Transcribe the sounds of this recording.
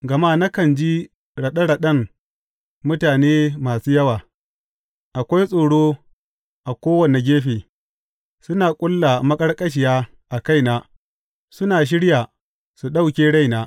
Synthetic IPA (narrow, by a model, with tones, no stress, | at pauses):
ɡɐ˨maː˦na˦kɐ˨nd͡ʒi˦ | ɽɐ˨ɗɐ˦ɽa˨ɗɐ˦ŋ | mʊ˦taː˨neː˦maː˨suː˦jɐ˦waː˨ | ʔa˨kʷa˦jsʼoː˨ɽoː˦ | ʔa˨kʷoː˦wɐ˨ne˨ɡʲeː˦ɸeː˨ | sʊ˦naː˨kʷʼʊ˦lːa˨mɐ˦kʼɐ˦ɽkʼɐ˦ʃ̬ɪ˨jaː˦ | ʔa˨ka˦jnaː˦ | sʊ˦naː˨ʃ̬ɪ˦ɽja˨ | su˨ɗa˦wkʲeː˦ɽa˦jnaː˦